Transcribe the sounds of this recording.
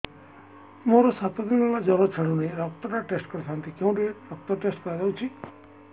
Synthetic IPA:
moɾɔsat̪ɔd̪inɔlad͡ʒɔɾɔt͡ʃʰəɽunejɾɔk̚t̪ɔʈaʈesʈkɔɾt̪ʰant̪ʰikeũɖeɾɔk̚t̪ɔʈesʈkɔɾad͡ʒawt͡ʃʰi

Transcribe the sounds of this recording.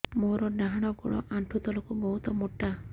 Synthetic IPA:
moɾɔɖaɦaɽ̃ɔɡɔɽɔ̰ʔaɳʈʰut̪ɔlɔkubɔɦut̪ɔmoʈːa

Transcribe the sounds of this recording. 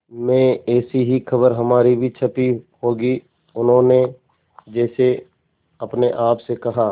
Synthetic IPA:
mɛ̃ɛːsiɦikʰɐbəɾɦɐmaːɾibʱit͡ʃʰɐpihoːɡi | ʊnɦõːne | d͡ʒɛːse | ɐpneʔaːpsekɐɦaː

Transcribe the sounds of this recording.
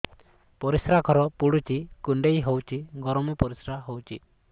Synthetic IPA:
pɔɾisɾaɡʱɔɾɔpuɽut͡ʃikuɳɖejɦowt͡ʃʰiɡɔɾɔmɔpɔɾisɾaɦowt͡ʃʰi

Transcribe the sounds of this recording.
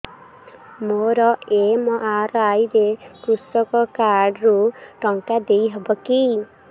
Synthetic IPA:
moɾɔemɔʔaɾɔajɾekɾusɔkɔkaɖɾuʈɔŋkad̪ejɦɔbɔki

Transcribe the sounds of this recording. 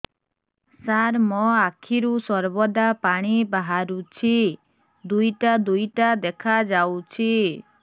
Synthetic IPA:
saɾmɔakʰiɾusɔɾbɔd̪apaɽ̃ibaɦaɾut͡ʃʰi | d̪ujʈad̪ujʈad̪ekʰad͡ʒawt͡ʃʰi

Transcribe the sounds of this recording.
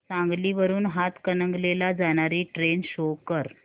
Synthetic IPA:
sãŋɡliːʋəɾuːnɦat̪kənəŋɡlelad͡zaɽ̃aɾiːʈɾenɕokəɾ

